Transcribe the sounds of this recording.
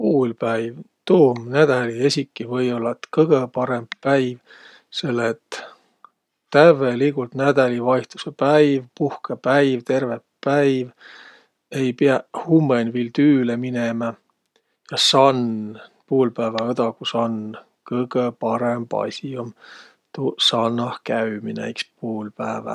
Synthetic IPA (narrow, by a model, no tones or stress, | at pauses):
puːlpæjv | t̪uːmnæd̪̥æliesʲikːˑivɤjo̞lːɑet̪kɤɡ̥epɑɾe̞mb̥pæjv | se̞lːet̪ | t̪ːævelikult̪næd̪̥ælivɑjht̪u̥sepæjvpuhkepæjvt̪e̞rvepːæjv | ejpiɑhumːenvilt̪yːleminemɑ | jɑsɑnpuːlpæːvɑɤd̪ɑkusɑn | kɤɡ̥əpɑɾemb̥ɑ̰sʲiom | t̪usɑnːɑhkæyminæ̰jkspuːlpæːvɑ̰